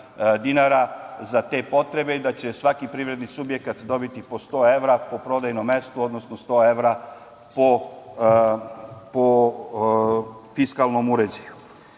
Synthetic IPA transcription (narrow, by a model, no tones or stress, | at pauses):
d̪inaɾazat̪e̞ːpo̞t̪ɾe̞be̞id̪at͡ɕe̞sʋakipɾiʋɾe̞d̪nisubje̞kat̪d̪o̞bit̪ipo̞st̪o̞e̞ʋɾapo̞pɾo̞d̪ajnomːe̞st̪uo̞d̪no̞snost̪o̞ːe̞ʋɾa | po | po | fiskalˠno̞muɾe̞d͡ʑeju